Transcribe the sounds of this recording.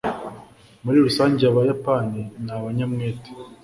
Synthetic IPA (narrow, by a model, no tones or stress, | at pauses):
muɾiɾusaːɲɟeaβajapaninaβaɲamŋeːte̥